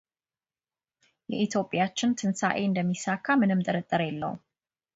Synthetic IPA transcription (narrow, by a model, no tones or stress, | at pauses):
jɛ̰ʔit̪ʰjo̞pʼjat͡ʃːɪnt̪ʰɨnsa̰ʔeɨnd̪əmːisakʰːamɨnɨmt̪ʼəɾət̪ʼːəɾjɛlːə̰w